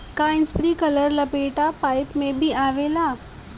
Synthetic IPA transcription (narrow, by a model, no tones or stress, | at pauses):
kaːɪ̃nspɾikələɾləpeːʈapaːɪpmẽbʱiʔaːʋeːlaː